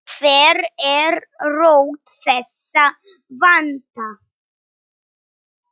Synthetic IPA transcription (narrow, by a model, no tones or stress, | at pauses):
fɛɾɛɾɾowt̪fɛs | a | vant̪a